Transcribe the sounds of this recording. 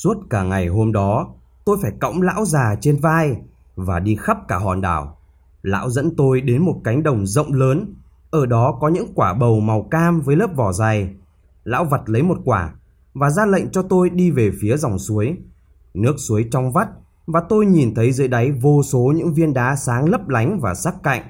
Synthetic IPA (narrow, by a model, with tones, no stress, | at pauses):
su˦˥ət̚kaː˧˩ŋa˨˩jɦo˧mɗɔ˨˦ | t̪o˧jfaː˧˩jkɔ̰˧˨wŋ͡mla̰ː˧˥wzaː˨˩t͡ɕe˧nvaː˧j | vaː˨˩ɗi˧xa˦˥p̚kaː˧˩ɦɔ̰˨˩nɗa̰ː˧˩w | la̰ː˧˥wzə̰˧˥nt̪o˧jɗe˨˦nmo˨˩t̚ka˨˦jŋ̟ɗə˨˩wŋ͡mzə̰˧˨wŋ͡mləː˨˦n | ʔəː˧˩ɗɔ˨˦kɔ˨˦ɲɨ̰˧˥ŋkwaː˧˩ɓə˨˩wma˨˩wkaː˧mvəː˨˦jləː˦˥p̚vɔ˧˩za˨˩j | la̰ː˧˥wvə˨˩t̚lə˨˦jmo˨˩t̚kwaː˧˩ | vaː˨˩zaː˧lə̰˧˨jŋ̟t͡ɕɔ˧t̪o˧jɗi˧ve˨˩fi˨˦əzɔ˨˩wŋ͡msu˨˦əj | nɨ˦˥ək̚su˨˦əjt͡ɕɔ˧wŋ͡mva˦˥t̚ | vaː˨˩t̪o˧jɲi˨˩nt̪ʰə˨˦jzɨ̰˧˥jɗa˨˦jvo˧so˨˦ɲɨ̰˧˥ŋvi˧ənɗaː˨˦saː˨˦ŋlə˦˥p̚la˨˦jŋ̟vaː˨˩saː˦˥k̚ka̰˧˨jŋ̟